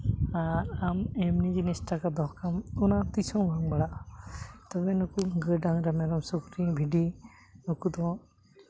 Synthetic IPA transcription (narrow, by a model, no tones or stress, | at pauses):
aɾamemnid͡ʒinisʈakad̪ɔɦkamunat̪isɔ̃wbʱaŋbaɽa | t̪ɔbenɔkuɡəɖaŋɾamɛɾɔmsukɾĩbʱiɖi | nukut̪ɔ̃